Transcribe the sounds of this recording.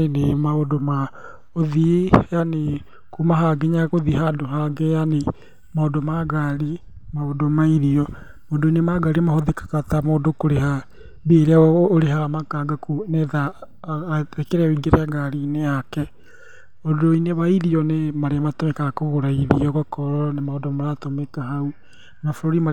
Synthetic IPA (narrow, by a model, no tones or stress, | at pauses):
enemaodoma | oðijane | kumaɦaɡeɲaɣoðiɦadoɦaɡejane | maodomaɡaɾimaodomaiɾiɔ | moːdoinemaɡaɾimahoðekḁkatamoːndokoɾeha | beːɾeaːɾeɦaamakaːɡakunɛða | ɛkɛɾɛoiɡeɾeaɡaɾineakɛ | odoineβaiɾiɔnemaɾeamatomɛkakoɣoɾaiðiɔɣɔkɔɾɔnemaodomaɾatomɛkaɦau | nafoɾoɾima